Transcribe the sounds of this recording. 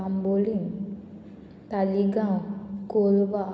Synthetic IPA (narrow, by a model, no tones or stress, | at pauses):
ambolin | t̪aliɡãwkolba